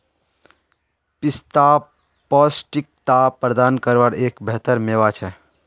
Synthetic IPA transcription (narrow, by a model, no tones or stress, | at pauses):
pist̪a | pɔsʈik̚t̪apɾəd̪ankəɾʋaɽeːkbʱeɦt̪əɾmeʋat͡ʃʰɛ